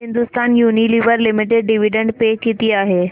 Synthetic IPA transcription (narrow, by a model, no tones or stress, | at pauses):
ɦɪ̃nd̪ʊst̪aːnjuːniliʋəɾlɪmɪʈeɖɖɪʋiɖə̃ɳɖpeːkit̪iaːɦeː